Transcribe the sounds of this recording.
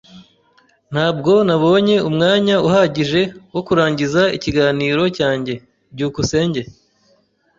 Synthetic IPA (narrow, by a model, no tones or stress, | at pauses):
n̥haːb̚ɡo̞naβo̞ːɲe̞umŋaːɲauhaɟiʒe̞wokuɾaːɲɟizaiciɡaːniːɾo̞caːɲɟe̞ | bɟuːkuse̞ːɲɟe̞